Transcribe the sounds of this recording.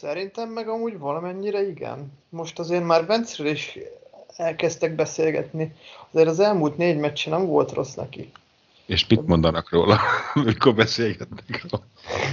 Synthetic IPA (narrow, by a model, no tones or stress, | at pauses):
sɛɾint̪ɛmːɛɡɒmuːɟvɒlɒmɛɲːiɾɛiɡɛ̰nmo̞ʃt̪ɒzeːrmaːrvɛnt̪srøliʃ | ɛlkɛst̪ɛɡ̚bɛseːlɡɛ̰t̪niɒzeːɾɒzɛlmuːlt̪neːɟmɛt͡ʃːɛnɛɱvo̞̰lt̪ro̞snɛ̰kḭ | eːʃpit̪mo̞nd̪ɒnɒkroːlɒmikorbɛseːlɡɛt̪nɛkroːl